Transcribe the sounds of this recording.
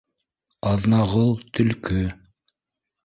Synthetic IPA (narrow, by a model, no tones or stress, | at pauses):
ɑðnɑʁɤlˠt̪ʰɵ̆lkɵ